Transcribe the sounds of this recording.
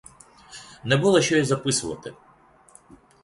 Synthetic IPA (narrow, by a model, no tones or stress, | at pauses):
nɛbulˠɔʃʲt͡ʃɔizɐpɪsʊʋɐ̰t̪ɪ̰